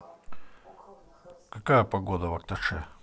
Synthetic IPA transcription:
kɐkajəpɐɡod̪əvɐk̚t̪ɐʂɛ

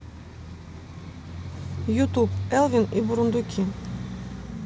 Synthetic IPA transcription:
jut̪upɛlˠvʲinibuɾund̪ukʲʰi

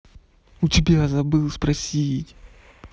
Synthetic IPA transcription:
ʊtʲɪbʲazɐbɨlˠspɾɐsʲitʲ

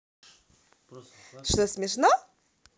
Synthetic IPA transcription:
ʂt̪ɔsʲmʲɪʂnɔ

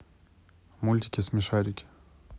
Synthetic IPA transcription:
mulʲt̪ʲi̥kʲesmiʃaɾikʲ

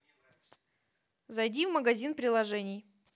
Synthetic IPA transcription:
zɐjdʲivməɡɐzʲinpɾʲɪlˠɐʐɛnʲɪj

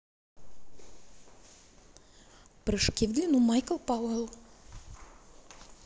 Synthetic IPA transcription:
pɾɨʂkʲivd̪ʲlʲinumajkəlˠpawɦəlˠ

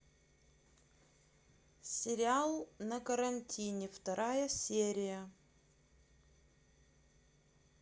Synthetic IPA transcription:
sʲɪɾʲɪalˠnɐkəɾɐnʲtʲʰinʲɪft̪ɐɾʔajəsʲeɾʲɪjə

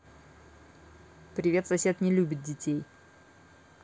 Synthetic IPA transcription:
pɾʲɪvʲe̞t̪sɐsʲe̞t̪nʲɪlʲubʲɪt̪̚dʲɪtʲej

